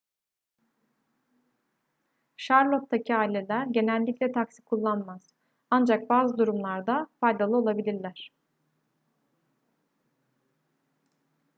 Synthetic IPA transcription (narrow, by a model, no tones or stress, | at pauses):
ʃaɾlˠot̪̚ːacʰiaːilʲe̞lʲæɾɟe̞nælʲːiclʲɛt̪ʰaksi̥kʰulˠːanmaz̥ | and͡ʒak̚baːzɯd̪uɾumlˠaɾd̪afajd̪alˠɯo̞lˠabilʲiɾlʲæɾ̥